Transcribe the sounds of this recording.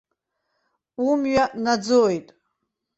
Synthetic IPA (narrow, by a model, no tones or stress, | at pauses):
umɥaʔnad͡zojtʼ